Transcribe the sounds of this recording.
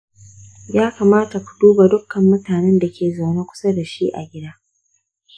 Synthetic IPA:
jaː˦kaː˨maː˦ta˨kʷu̥˨duː˦ba˨dʊ˦kːɐ˨mːʊ˦taː˨nɛ˦nda˨kʲʰeː˨za˨wneː˦kʷʊ̥˦sa˦da˨ʃi˦ʔa̰˨ɡʲɪ˦daː˦

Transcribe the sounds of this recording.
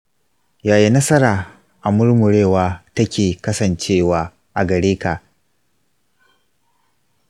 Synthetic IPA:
jaː˨ji˦nɐ˦sɐ˦ɾaː˨ | ʔa˨mʊ˦ɽmʊ˨ɽeː˦˨waː˦tɐ˦kʲeː˨kɐ˦sɐ˨nt͡ʃeː˦˨waː˦ | ʔa˨ɡɐ˨ɽeː˦kaː˨ʔ

